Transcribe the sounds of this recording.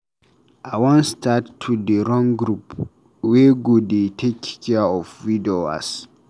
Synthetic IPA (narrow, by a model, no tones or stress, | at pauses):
ʔawɔ̃nstʰatʰːudəɾɔ̃ŋɡɾup | wɛɡudetʰekkɛɔfwidoa̰s